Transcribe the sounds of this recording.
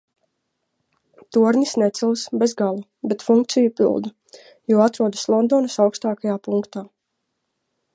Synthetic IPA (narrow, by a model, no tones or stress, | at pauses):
t̪uɾnisnɛt̪silˠsbɛzɡalˠu | bɛt̪fuŋkt̪sijupḭlˠd̪a | juɔat̪ɾuɔd̪aslˠɔnd̪ɔːnasawkst̪aːkajaːpuŋkt̪aː